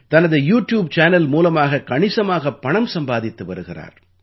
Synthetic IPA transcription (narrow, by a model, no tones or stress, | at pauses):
t̪ɐnɐðɯjuːʈjuːb̚t͡ʃaːnɐlmuːlɐmaːɣɐkɐɳɪsɐmaːɣɐpːɐɳɐmsɐmbaːðɪt̪ːɯʋɐ̰ɾɯɣɪra̰ːɾ